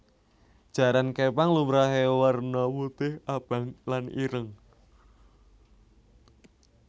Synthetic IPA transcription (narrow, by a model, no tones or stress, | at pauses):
d̥ʒ̥ä̤ɾankepaŋlumɾaɦewərnɔwut̪ɪhʔab̥a̤ŋlanḭɾəŋ